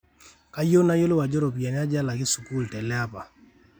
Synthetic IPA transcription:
ka˦jo˦na˦jo˦lɪ˦wa˨d͡ʒɔ˦ɾɔ˨p̬i˨a˨n˦a˦d͡ʒa˦la˨kɪ˦su˨ku˦˨ltɛ˨lɛ˦a˦pa˨

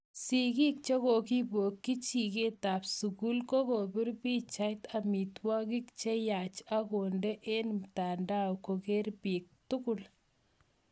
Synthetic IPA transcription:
siki˦k̚t͡ʃe˦ko˨ki˦bo˨kːi˦t͡ʃike˦ta˨psu˨ku˦lko˦ko˨bɪ˦ɾpi˦t͡ʃa˦jt̪a˨mi˨t̪wɔ˦kikt͡ʃe˦ja˨t͡ʃa˦ko˨nde˦ʔe˦nta˨nda˦wko˨ke˦ɾpi˨k̚tʊkʊl

